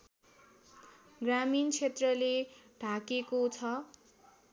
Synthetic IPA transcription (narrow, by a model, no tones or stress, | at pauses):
ɡramint͡sʰet̪rʌleɖʱakekot͡sʰʌ